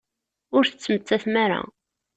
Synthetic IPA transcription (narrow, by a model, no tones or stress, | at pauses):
ʊɾθət͡sːmət͡s̪ːæθmæɾa̰